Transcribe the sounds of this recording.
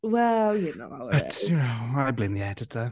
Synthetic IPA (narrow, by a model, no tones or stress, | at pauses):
wɛlˠjɨno̰ʊab̥ʌtɨnoʊaɪblẽɪ̃mðiɛdɨtʰə